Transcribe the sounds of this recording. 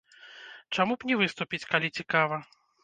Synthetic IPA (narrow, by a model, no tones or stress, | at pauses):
t͡ʂamupnʲɛvɨst̪upʲit͡sʲkalʲit͡sʲikavɐ